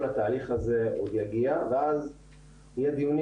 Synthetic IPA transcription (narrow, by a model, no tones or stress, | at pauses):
lhat̪aːliχazeod̪jaɡiaveaz | hijɛd̪ijun